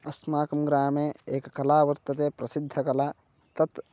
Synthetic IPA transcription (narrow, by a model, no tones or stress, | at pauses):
ɐsmaːkɐmɡɾaːmeeːkːɐlaːʋəɾt̪ət̪epɾɐsid̪ʱːəkɐla | t̪ɐt̪